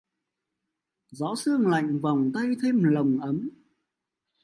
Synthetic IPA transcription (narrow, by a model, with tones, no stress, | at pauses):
zɔ˨˦sɨ˧əŋla̰˧˨jŋ̟va˨˩wŋ͡mt̪a˧jt̪ʰe˧mlə˨˩wŋ͡mʔə˨˦m